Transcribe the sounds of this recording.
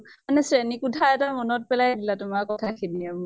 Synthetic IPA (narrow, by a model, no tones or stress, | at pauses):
manɛsɹenikutʰaɛtamɔnɔt̚pɛlajadilatʊmaɹkɔtʰakʰidiamʊ